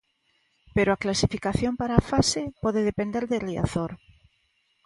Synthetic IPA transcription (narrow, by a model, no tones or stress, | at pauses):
peɾoaklasifikaθjompaɾaːfasepoðeðepend̪eɾðeria̰θoɾ